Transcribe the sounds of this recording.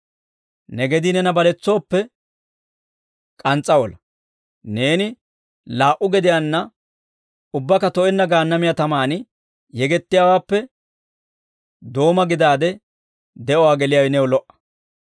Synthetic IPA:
nɛɡɛd̪inɛnɐbɐlɛt͡sːo̞ːpːɛ | kʼɐnt͡sʼːɐwɔlɐ | ne̞ːnɪ | laːʔʊɡɛd̪ɪjanːɐ | ʊbːɐkɐt̪ɔʔɛnːɐɡaːnːɐmɪjat̪ɐmaːnɪ | jɛɡɛt̪ːɪjaːwaːpːɛ | d̪o̞ːmɐɡɪd̪aːd̪ɛ | d̪ɛʔɔwaːɡɛlɪjaːwɛnɛwɔlɔʔɐ̥

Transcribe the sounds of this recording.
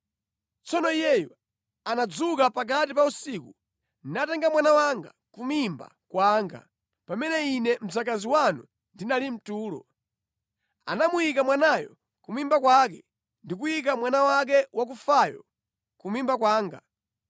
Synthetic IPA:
t͡sɔnɔijɛjɔ | anad͡zukapak̬atipausiːku | nnatɛŋɡamwanawaŋɡa̰ | kumimba̰ | kwaːŋɡa̰ | pamɛnɛinɛm̩zak̬aziwanu | ndinalim̩tuːlɔ̰ | a̰namujikamwanajɔ | kumimbakwak̬ɛ | ndik̬ujik̬amwanawak̬ɛwak̬ufajɔ̰ | kumimbak̬waːŋɡa̰

